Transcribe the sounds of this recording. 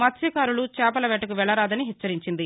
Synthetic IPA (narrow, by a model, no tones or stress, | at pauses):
mɐt̪sɐkaːɾulut͡ʃɛːpɐlɐʋɛʈːɐkuʋɛɭɐɾaːd̪ɐniɦɛt͡ʃːɐɾiɲt͡ʃind̪i